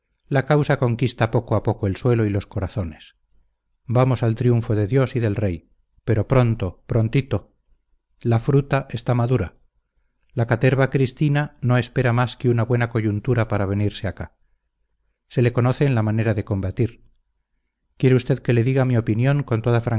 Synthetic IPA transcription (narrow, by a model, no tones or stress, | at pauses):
lakawsako̞ŋkist̪apo̞koapo̞koe̞lswe̞lo̞ilo̞sko̞ɾaθo̞ne̞s | bamo̞salt̪ɾiuɱfo̞ðe̞ðjo̞siðe̞lre̞j | pe̞ɾo̞pɾo̞nt̪o̞pɾo̞nt̪it̪o̞ | lafɾut̪aʔe̞st̪amaðuɾa | lakat̪e̞ɾβakɾist̪inano̞e̞spe̞ɾamaskeunaβwe̞nako̞ʝunt̪uɾapaɾaβ̞e̞niɾseaka | se̞le̞ko̞no̞θeːnlamane̞ɾaðe̞ko̞mbat̪iɾ | kje̞ɾeust̪e̞ðke̞le̞ðiɣamio̞pinjõ̞ŋko̞nt̪o̞ðafɾaŋ